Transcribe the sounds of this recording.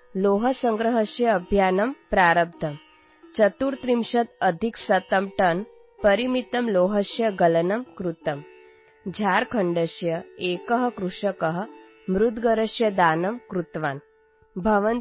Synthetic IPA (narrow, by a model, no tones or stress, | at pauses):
loːɦɐsɐŋɡɾɐɦɐʃjɐːbʱjaːnɐmpɾaːɾɐb̚d̪ʱɐm | t͡ʃɐt̪uːɾt̪ɾimʃɐt̪ɐd̪ʱiksɐt̪ɐmʈɐn | pɐɾimit̪ɐmloːɦɐʃjɐɡɐlɐnɐmkɾut̪ɐm | d͡ʒʱaɾkʰɐɳɖəʃjɐeːkɐɦɐkɾuʂɐkɐɦə̆ | mɾud̪ʱɡɐɾɐʃjɐd̪aːnɐmkɾut̪ʋaːn | bʱɐʋən